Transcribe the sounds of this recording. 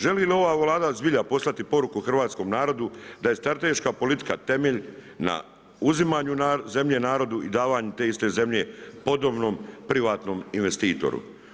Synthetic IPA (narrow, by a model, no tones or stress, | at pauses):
ʒe̞lilio̞ʋaːʋlˠaːd̪azbiʎapo̞slˠat̪ipo̞ɾukuxr̩ʋaːt̪sko̞mnaːɾo̞d̪ud̪aje̞st̪ɾat̪e̞ʃkapo̞lit̪i̥kat̪e̞meʎ | na̰ | uzimaːɲunaze̞mʎe̞naːɾo̞d̪uid̪aːʋaːɲut̪eist̪e̞ze̞mʎe̞po̞d̪o̞bno̞ːmpɾiʋaːt̪no̞ːminʋe̞st̪iːt̪o̞̰ɾṵ